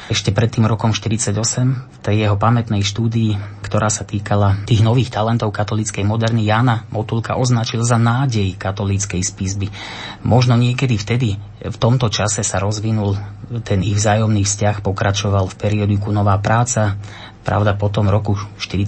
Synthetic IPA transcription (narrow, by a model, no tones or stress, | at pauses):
ɛʃcɛpɾɛt̪ːiːmɾɔkɔmʃt̪iɾit͡saɟɔsɛmft̪ɛjjɛɦɔpamɛt̪nɛjʃt̪uːd̪iikt̪ɔɾʔaːsat̪iːkalat̪iːɣnɔʋiːxt̪alɛnt̪ɔʊkat̪ɔlit͡skɛjmɔd̪ɛɾnijaːnamɔt̪ulka̰ʔɔznat͡ʃilzanaːɟɛjkat̪ɔlit͡skɛjspizbi | mɔʒnɔɲɪɛkɛd̪ift̪ɛd̪i | ft̪ɔmt̪ɔt͡ʃasɛsaɾɔzʋinult̪ɛniɣvzaːjɔmniːfscaxpɔkɾʔat͡ʃɔʋalfpɛɾiɔd̪ikunɔʋaːpɾaːt͡sa | pɾa̰ʊd̪apɔt̪ɔmɾɔkuʃt̪iɾi